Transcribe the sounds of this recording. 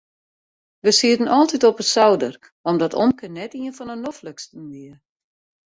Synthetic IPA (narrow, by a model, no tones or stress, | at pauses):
ʋəsiətənʔɔlˠtitɔpəsawdər | ɔmdɔtʰo̰mkənːɛtiənfɔnənofləkstənʋiə